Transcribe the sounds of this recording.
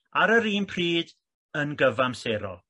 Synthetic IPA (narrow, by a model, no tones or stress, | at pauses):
aɾəɾiːnpʰriːd | ənɡəvamseːɾɔ̰